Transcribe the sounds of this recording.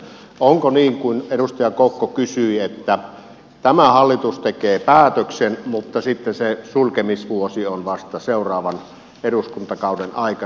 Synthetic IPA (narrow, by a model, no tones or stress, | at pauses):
oŋkoniːŋkuineɾust̪ɑjɑkokːokysyiet̪ːæ | t̪æmæhɑlːit̪ust̪ekeːpæːt̪øksenmut̪ːɑsit̪ːesesulkemisʋuosionʋɑst̪ɑseˑurˑɑːʋɑn | eɾuskunt̪ɑkɑˑudenɑˑikɑ